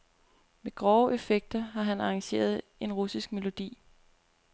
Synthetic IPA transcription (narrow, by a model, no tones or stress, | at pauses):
meɡ̥ʁɒʊʔe̝feɡ̥̚d̥ɐɦɑ̈ɦænɑ̈ɑ̈ŋɕe̝̰ːɐð̞ˠ | e̝nʁusisɡ̥me̝lo̝d̥ḭː